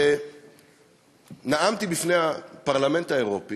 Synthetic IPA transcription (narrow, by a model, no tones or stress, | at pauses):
e | naʔamt̪ibifnejhapaʁlame̞ntaeʁo̞pi